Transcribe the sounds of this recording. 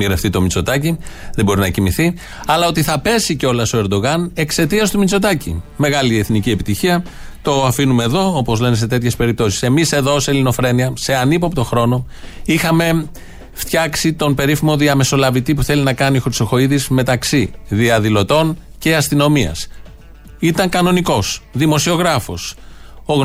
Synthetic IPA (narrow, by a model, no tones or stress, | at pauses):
iɣɾeft̪it̪o̞mit͡so̞t̪ɐciðebo̞ɾinɐcimiθi | ɐlɐo̞t̪iθɐpe̞siceo̞lɐst̪o̞e̞ɾd̪o̞ɣɐne̞kse̞t̪iɐst̪umit͡so̞t̪ɐcḭme̞ɣɐlie̞θnicie̞pit̪içiɐ | t̪o̞ɐfinume̞ːðo̞opo̞zle̞nes̬e̞t̪e̞t̪çe̞spe̞ɾip̚t̪o̞si̥se̞mise̞ðo̞selino̞fɾe̞niɐse̞ɐnipopt̪o̞xɾo̞no̞ | ixɐme̞ | ft̪çɐksit̪o̞npe̞ɾifimo̞ðiɐme̞so̞lɐvit̪ipuθe̞linɐkɐnioxɾiso̞xo̞iðizme̞t̪ɐksiðiɐðilo̞t̪o̞nce̞ɐst̪ino̞miɐ̰s | it̪ɐŋkɐno̞niko̞sðimo̞sio̞ɣɾɐfo̞so